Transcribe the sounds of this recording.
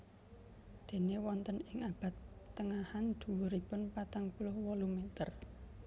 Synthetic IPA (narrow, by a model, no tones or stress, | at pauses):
d̪̥e̤newɔnt̪ənɪŋab̥ä̤t̪t̪ːəŋahand̪̥ṳwʊɾipʊnpat̪aŋpulʊhwɔlumet̪ər